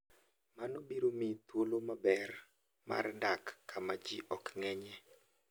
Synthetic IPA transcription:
manobiɾomit̪wolomabɛr | ma̰rndakːamad͡ʒiʔɔkŋɛɲɛ

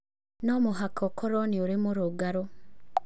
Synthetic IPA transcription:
nomuɦakʰokʰoɾoniuɾimuɾuɡaɾo

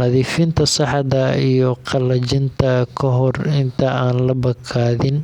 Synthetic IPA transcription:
nɐðiːfɪnt̪ʰɐsɑħðɐijɔqɑlɐt͡ʃɪnt̪ʰɐkʰɐɦɔrɪnt̪ʰɐaːnlɐbɐkʰaːðɪn

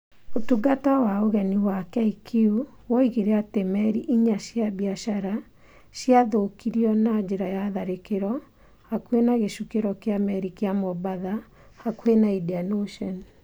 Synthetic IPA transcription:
otuɡatawaoɣɛniwakɛikʰiu | wɔiɣeɾeatemɛɾiʔiɲaɕjaβiaʃaɾa | ɕjaðokiɾiɔnad͡ʑeɾajaðaɾekeɾɔ | hakuenaɣeʃukeɾɔkeamɛɾikeamɔbaða | hakwenaidianoʃɔn

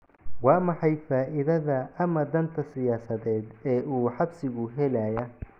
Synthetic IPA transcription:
wɑːmɑħɑjfaːʔɪðɐðɐʔɐmɐd̪ɐnt̪ʰɐsɪjaːsɐðɛːd̪ɛːʔuːħɑbsɪɣʊɦɛlɐjɐ

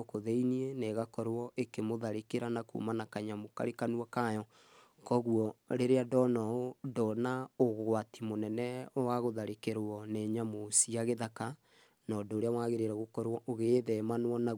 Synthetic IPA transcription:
koðeinieneɣakɔɾwɔʔekemoðaɾekeɾanako̰manakaɲamoka̰ɾekanwakajɔ | kɔɣuɔɾeɾeadɔnɔodɔnaoɣwatimonɛnɛɔwaɣoðaɾekeɾwɔneɲamosiaɣeðaka | nɔdoːɾeawaɣeɾeɾɛɣokɔɾwɔʔoɣeðɛmanwɔna

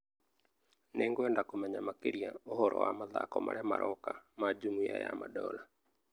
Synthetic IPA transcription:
neŋɡoɛndakomɛɲamakeɾiaoɦɔɾɔwamaðakɔmaɾɛmaɾʔɔkamad͡ʒumuajamadɔla

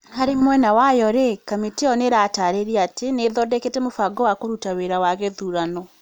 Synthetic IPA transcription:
haɾemwɛnawajɔɾekamiteɔneɾataːɾeɾiateneðɔdɛketɛmofaɡɔwakoɾutaweɾawaɣeðuːɾanɔ

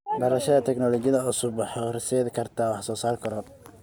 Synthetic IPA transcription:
ɖɐɾɐʃɐðɐt̪ʰɛɡnɔlɔt͡ʃɪjɐðɐʊsʊbɑħɑrɪsɛːðɪkʰɐrt̪ʰawɑħsɔːsaːrkʰɐɾɔ

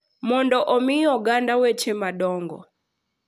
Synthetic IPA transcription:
mɔndɔʔɔmijɔɡandawɛt͡ʃʰɛmaɗɔːŋɡɔ̰

